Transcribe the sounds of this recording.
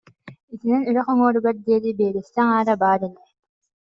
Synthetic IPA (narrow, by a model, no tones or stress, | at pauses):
it̪inɛnyɾœχɔŋɔːɾɯɡaɾd̪iɛd̪ibeːɾɛsːɛŋaːɾabaːɾɛlɛ